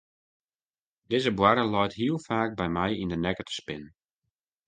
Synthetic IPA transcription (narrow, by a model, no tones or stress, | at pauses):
dɪzəbwaɾəlɔjtɦiəlˠfaːk̚bɛjmɛjindənɛkətə̥spɪn